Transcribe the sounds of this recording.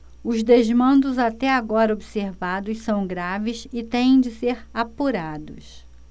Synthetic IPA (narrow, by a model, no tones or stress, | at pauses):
ʊzd̪ezmɐ̃nd̪ʊzat̪ɛaɡɔɾɐobiseɾvad̪ʊssɐ̃w̃ɡɾavɪsɪt̪ẽj̃ẽj̃d͡ʒɪseɾapuɾad̪ʊ̰s